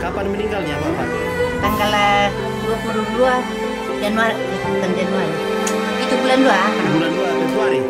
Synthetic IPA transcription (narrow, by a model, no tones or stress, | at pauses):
kapanməniŋɡalɲakapa̰n | t̪aŋɡala | duakuɾudua | d͡ʒanuar | t̪and͡ʒianuaɾi | it̪ubulanduabulanduakəsuaɾi